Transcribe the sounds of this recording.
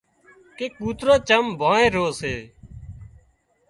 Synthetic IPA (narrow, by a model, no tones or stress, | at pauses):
keːkuːt̪ɾoːt͡ʃəmbʱãːẽːɾoːseː